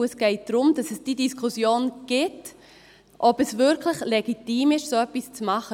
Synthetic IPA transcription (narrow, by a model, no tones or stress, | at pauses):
ɛsɡ̥ɛɪt̚d̥ɾʊmd̥ɑsɛsd̥idiskʰusjoːnɡ̥ɪt | ʔɔbɛsvʏɾkʰləχlɛɡitiːmɪʃsoːœpːist͡smɑχə